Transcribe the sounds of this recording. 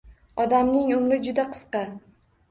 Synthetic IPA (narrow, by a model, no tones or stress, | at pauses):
ɒd̪amnɪŋʊmɾɪd͡ʒʊd̪aqʰɨ̥sqɑ